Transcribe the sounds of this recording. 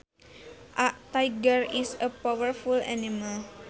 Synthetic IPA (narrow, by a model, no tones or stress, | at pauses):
ʔaʔt̪ajɡərisəpawəɹfulɛ̰nimal